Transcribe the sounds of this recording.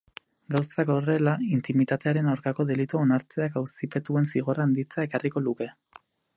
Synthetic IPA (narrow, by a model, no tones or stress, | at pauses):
ɡawsako̞re̞laint̪imit̪at̪e̞aɾe̞nawɾkako̞ðe̞lit̪uonaɾt͡se̞akawsipe̞t̪ue̞nsiɣ̞o̞raːnd̪it͡sae̞kariko̞luke̞